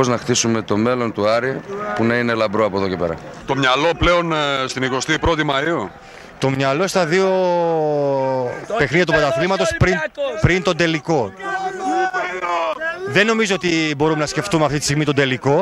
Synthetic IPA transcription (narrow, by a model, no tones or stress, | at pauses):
oznɐxt̪isume̞t̪o̞me̞lo̞nt̪uɐɾipunɐine̞lɐbɾoɐpoðo̞ce̞pe̞ɾɐ̰t̪o̞mɲɐlo̞ple̞o̞nst̪iniko̞st̪ipɾo̞t̪imɐiu | t̪o̞mɲɐlo̞st̪ɐðio̞ | pe̞xniðjɐt̪upɐt̪ɐθlimɐt̪o̞spɾinpɾint̪o̞nd̪e̞liko̞ | ðenːo̞mizoot̪ibo̞ɾumenɐsce̞ft̪umeɐft̪it̪i̥st̪iɣmit̪od̪e̞liko̞